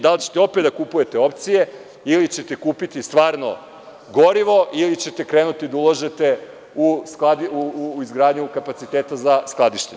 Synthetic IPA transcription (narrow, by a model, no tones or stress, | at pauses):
d̪alit͡ɕet̪eo̞ped̪d̪akupuje̞t̪e̞o̞pt̪sije̞ | ilit͡ɕe̞t̪e̞kuːpit̪ist̪ʋaːɾno̞̰ | ɡo̞ɾiʋo̞ʔilit͡ɕe̞t̪e̞kɾeːnut̪id̪aulˠoʒet̪e | usklad̪iuizɡɾaːd̪ɲukapat̪sit̪eːt̪azasklˠad̪iʃt̪eɲ